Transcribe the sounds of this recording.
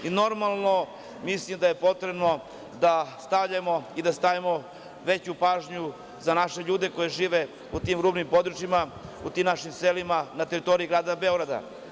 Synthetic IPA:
ino̞ɾmalˠno̞ | mislimd̪aje̞po̞t̪ɾebno̞ | d̪ast̪avʎamo̞id̪ast̪aʋimo̞ | ʋe̞t͡ɕupaːʒɲu | zanaʃe̞ʎuːd̪e̞ko̞jeʒiːʋe̞ | ut̪iːmɾuːbnimpo̞d̪ɾut͡ʃimaut̪iːmnaʃimselimanat̪eɾit̪o̞ɾiiɡɾaːd̪abe̞oɡɾad̪a̰

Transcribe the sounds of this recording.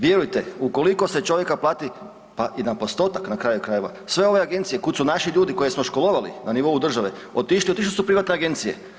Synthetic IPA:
ʋjeɾujt̪euko̞liko̞se̞t͡ʃo̞ʋje̞kaplˠaːt̪i | paʔinapo̞st̪o̞ːt̪aknakɾaːjukɾaje̞ʋa̰ | sʋe̞o̞ʋe̞aɡe̞nt̪siekut̪sunaʃiʎuːd̪iko̞je̞smo̞ʃkolˠo̞ʋalḭnaniʋo̞ud̪r̩ʒaʋeot̪iʃliot̪iʃlisupɾiʋat̪ne̞aɡe̞nt̪sije̞̰

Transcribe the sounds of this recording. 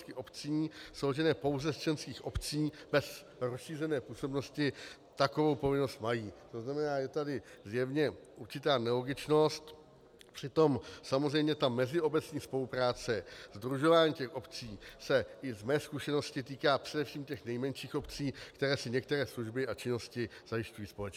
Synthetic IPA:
skɪʔo̞pt͡siːsowlʒɛnɛːpo̞wzɛst͡ʃɛnskiːxʔo̞pt͡siːbɛs | ɾosʃiːrɛnɛːpuːso̞bno̞scɪ | t̪ako̞vo̞wpo̞vɪno̞st̪majiːt̪o̞znamɛnaːjɛt̪adɪzjɛvɲɛʔuɾt͡ʃɪt̪aːnɛlo̞ɡɪt͡ʃno̞st̪ | pr̝̥ɪt̪o̞msamozrɛjmɲɛt̪amɛzɪo̞bɛt͡sɲiːspo̞lupɾaːt͡sɛzd̪ɾuʒo̞vaːɲiːcɛxʔo̞pt͡siːsɛʔɪvmɛːskuʃɛno̞scɪt̪iːkaːpr̝̥ɛdɛfʃiːmcɛxnɛjmɛnʃiːxʔo̞pt͡siːkt̪ɛɾɛːsɪɲɛk̚t̪ɛɾɛːsluʒbɪʔat͡ʃɪno̞scɪz̥ajɪʃcujiːspo̞lɛt͡ʃ

